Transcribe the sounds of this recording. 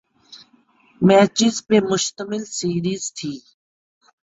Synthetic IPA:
mɛːt͡ʃɪzpemʊʃt̪əmɪlsiːɾiːzt̪ʰiː

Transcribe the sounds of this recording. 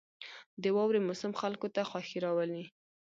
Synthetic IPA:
d̪əwɑwɾemʊsɪmxalkot̪axwɑxiɾɑwəli

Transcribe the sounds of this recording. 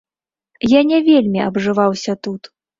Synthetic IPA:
janʲɛvʲelʲmʲiɐbʐɨvawsʲɐt̪ut̪

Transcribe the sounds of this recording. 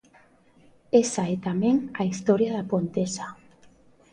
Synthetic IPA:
esaɛt̪amẽŋaist̪ɔɾjaðapont̪esa

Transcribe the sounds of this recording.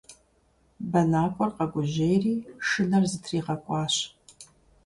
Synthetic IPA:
bɐnaːkʷʼɔrqɐɡʷʊʑejriːʂɨnɐrzɨtʰriːʁɐkʷʼɑːɕ

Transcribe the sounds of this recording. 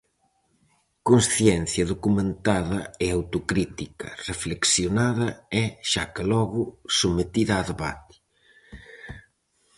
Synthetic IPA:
konsθjɛn̟θjɐðokumẽnt̪aðɐɪawt̪ʊkɾit̪ikɐ̰refleksjonaðɐɛʃa̰kelɔɣʊsumet̪iðɐaːðeβa̰t̪i̥

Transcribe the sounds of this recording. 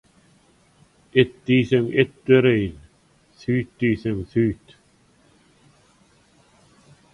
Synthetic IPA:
ɪt̪ːisɛmɪt̪ːʏɾejn | θyːt̪ːisɛmθyːt̪

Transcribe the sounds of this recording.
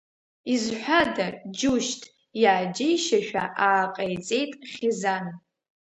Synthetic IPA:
izħʷadad͡ʒuʃtʰʼ | jaːd͡ʒejʃaʃᶣa̰ʔaːqʼajt͡sʼe̞jtʼχʲɪzan

